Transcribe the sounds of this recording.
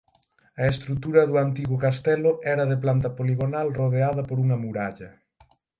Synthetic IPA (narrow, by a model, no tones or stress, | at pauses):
ɐest̪ɾut̪uɾɐðuant̪iɣʊkast̪ɛlʊɛɾɐðeplant̪ɐpoliɣonalroð̞eaðɐpoɾuŋɐmuɾaʎɐ